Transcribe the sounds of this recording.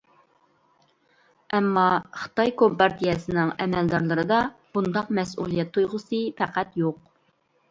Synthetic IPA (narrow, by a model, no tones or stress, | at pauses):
ɛmːɑχə̥t̪ɑjkʰompɑɾt̪ʰijɛsɨnɪŋɛmɛld̪ɑɾlˠɨɾɨd̪ɑb̥und̪ɑqmɛsṵlˠijɛt̪ʰːojʁəsɨpʰæqæt̪joq̚